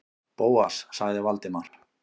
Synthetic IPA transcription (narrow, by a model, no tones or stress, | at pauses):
poːwa̰ssaɣðɪvalt̪ɪmaɾ̥